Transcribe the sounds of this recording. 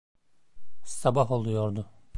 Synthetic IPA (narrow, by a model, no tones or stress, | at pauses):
sabaɦo̞lˠujoɾd̪ʊ